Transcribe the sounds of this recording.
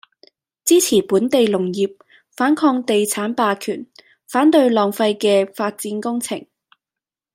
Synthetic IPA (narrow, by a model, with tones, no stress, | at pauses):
t͡siː˥t͡sʰiː˨˩puː˨˥nt̪e˨jlʊ˨˩ŋjiː˨p̚ | faː˨˥nkʰɔː˧ŋt̪e˨jt͡sʰaː˨˥npaː˨˧kʰy̰ː˨˩n | faː˨˥nt̪ɵ˧ɥlɔː˨˩ŋfɐ˧jkɛː˧faː˧t̚t͡siː˨˥nkʊ˥ŋt͡sʰɪ̰˨˩ŋ